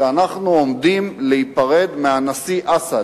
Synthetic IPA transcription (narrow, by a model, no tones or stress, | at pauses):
anaχnuomd̪imlehipaʁe̞d̪meanasiʔasa